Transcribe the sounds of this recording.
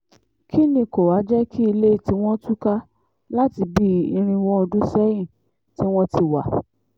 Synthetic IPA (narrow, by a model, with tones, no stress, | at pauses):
kʰi˦nĩ˧˨ko˨wa˨˦d͡ʒɛ˦kʰi˦i˧le˦i˨ti˦w̃ɔ̃˦tu˦ka˦ | la˦ti˧bi˦i˧ɾ̃ĩ˧wɔ˦ɔ˧dũ˦sɛ˦jĩ˦˨ | ti˦w̃ɔ̃˦ti˧wa˨